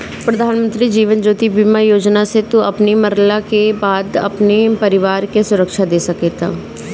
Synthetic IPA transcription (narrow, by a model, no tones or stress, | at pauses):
pɾəd̪ʱaːnmə̃nt̪ɾiːd͡ʒiːʋənd͡ʒoːt̪ibimajoːd͡ʒnaset̪ũɐpniməɾlakebaːd̪ɐ̰pnepəɾɪʋaːɾkesʊɾəkʃad̪eːsɐket̪ʰaː